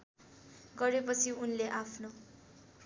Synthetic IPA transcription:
ɡʌɾepʌt͡sʰiunleʔapʰno

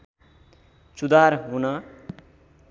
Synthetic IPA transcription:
t͡sud̪aɾɦunʌ

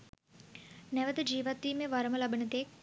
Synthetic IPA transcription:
nɛʋəd̪əd͡ʒiːʋat̪ːiːmeːʋɐɾəməlɐbənət̪eːk̚

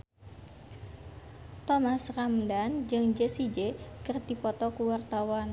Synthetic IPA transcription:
t̪ɔmasramdand͡ʒɨŋd͡ʒesid͡ʒekərdipɔt̪ɔkuwart̪awan

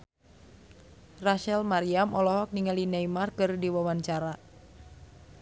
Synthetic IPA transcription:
raʃɛlmaɾiamɔlɔɦɔk̚niŋalinajmarkɨrdiwawaɲt͡ʃaɾa

